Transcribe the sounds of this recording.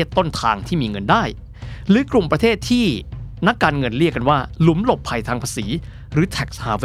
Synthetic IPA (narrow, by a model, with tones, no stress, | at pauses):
ət̪ːo˥˩nt̪ʰa̰ː˧ŋt̪ʰiː˥˩miː˧ŋɤ˧ndaː˥˩j | ɾɯː˨˦kɾu˨˩ŋpɾa˧t̪ʰeː˥˩t̪ʰːiː˥˩na˦˥kːaː˧nŋɤ˧nli˥˩əka˧nwaː˥˩lu˨˩˦mlo˨˩pʰːa˧jt̪ʰaː˧ŋpʰa˧siː˩˦ | ɾɯː˩˦t̪ʰɛ˨˩k̚shaː˩˦w